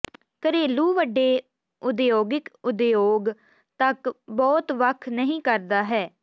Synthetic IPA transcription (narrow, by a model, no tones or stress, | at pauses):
kəɾeːluːʋəɖːeː | ʊd̪joːɡɪkʊd̪joːɡ | t̪əkbɔːt̪ʋəkʰnəɦĩːkəɾd̪aːɦɛː